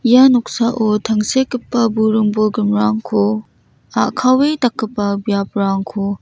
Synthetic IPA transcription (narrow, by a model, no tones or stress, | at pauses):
januk̚saʔotʰɐŋsekːipːɐbuɾɯŋboɡimɾaŋkʰo | aʔkʰawejtɐkːɯpːɐbijapɾaŋkʰo